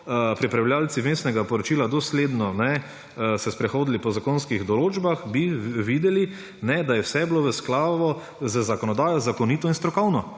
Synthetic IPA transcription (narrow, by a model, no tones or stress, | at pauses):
pɾipɾawlʲjaːlt̪t͡s̪imesnɛɡapɔɾɔt͡ʃiːlad̪ɔsleːd̪nɔnɛ | sɛspɾɛxoːd̪lipɔzakoːnskiɣd̪ɔloːd͡ʒbaxbiʋiːd̪ɛli | nɛd̪ajɛwsɛbloʋəsklaːʋɔ | zəzakɔnɔd̪aːjɔzakɔniːt̪ɔinst̪ɾɔkɔwnɔ